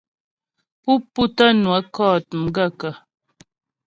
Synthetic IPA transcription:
pu˦pːu˦tə˦nwə˨˦kɔ˦˨t̚m̩˨ɡə˦kə˨

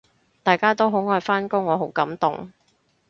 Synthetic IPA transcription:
t̪aː˨˩jkaː˥t̪o˥wɦo˨˥wŋɔː˨˧jfaː˥nkʊ˥ŋːɔː˨˧ɦo˨˥wkɐ˨˥mt̪ʊ̰˨˩ŋ

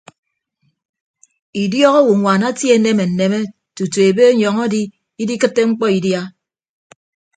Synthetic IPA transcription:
i˨djɔ˦ɣɔ˦wu˨ŋʷa˨na˦tje˨˦ne˦me˨n̩˨ne˨me˦ | tu˨tu˨e˨be˦ɲɔ˨ŋɔ˦di˦ | i˦di˦kɨ˦tːe˦ŋ͡m̩˦k͡pɔ˦i˨dja˦

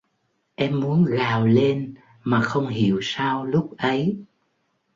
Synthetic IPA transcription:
ʔɛ˧mːu˨˦ənɣaː˨˩wle˧n | maː˨˩xə˧wŋ͡mɦi˨˩˨əwsaː˧wlʊ˦˥k͡p̚ʔə˨˦j

